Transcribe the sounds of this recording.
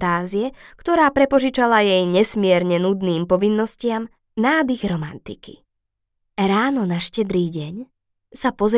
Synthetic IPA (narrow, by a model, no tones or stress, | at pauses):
t̪aːziɛkt̪ɔɾaːpɾɛpɔʒit͡ʃalajɛjɲɛsmɪɛɾɲɛnud̪niːmpɔʋinːɔscɪam | naːd̪iɣɾɔmant̪ikḭ | ɾaːnɔnaʃcɛd̪ɾiːɟɛɲ | sapɔz